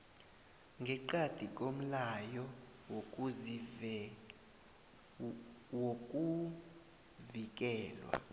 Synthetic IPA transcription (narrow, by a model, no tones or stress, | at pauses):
ŋɡʱɛǃad̥ʱik̬ʼom̩lajɔ | woz | wokʼu | vik̬ʼɛːlwa̰